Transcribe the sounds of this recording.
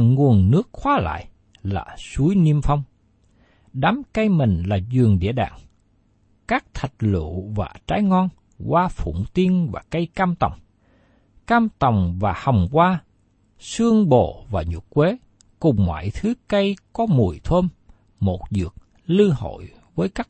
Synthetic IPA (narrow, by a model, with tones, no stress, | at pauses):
ŋu˨˩ənnɨ˦˥ək̚xwaː˨˦la̰ː˧˨j | la̰ː˨˩su˨˦jni˧əmfa˧wŋ͡m | ɗaː˨˦mkə˧jmï˨˩ŋ̟laː˨˩zɨ˨˩əŋɗḭ˧əɗa̰ː˧˨ŋ | kaː˦˥k̚t̪ʰə˨˩t̚lṵ˧˨vaː˨˩t͡ɕaː˨˦jŋɔ˧n | kwaː˧fṵ˧˩˨ŋ͡mt̪i˧ənvaː˨˩kə˧jkaː˧mt̪ə̰˨˩wŋ͡m | kaː˧mt̪ə˨˩wŋ͡mvaː˨˩hə˨˩wŋ͡mkwaː˧ | sɨ˧əŋɓo̰˧˨vaː˨˩ɲṵ˨˩k̚kwe˨˦ | kʊ˨˩ŋ͡mːwa̰ː˧˨jt̪ʰɨ˨˦kə˧jkɔ˨˦mu˨˩əjt̪ʰo˧n | mo˨˩t̚zɨ̰˨˩ək̚ | lɨ˧ho̰˧˨j | vəː˨˦jkaː˦˥k̚